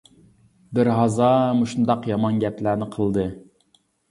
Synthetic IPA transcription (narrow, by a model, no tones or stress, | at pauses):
bɪɾɦɑzɑmuʃund̪ɑqjɑmɑnɡʲɛplæɾnɪqʰəlˠd̪ɨ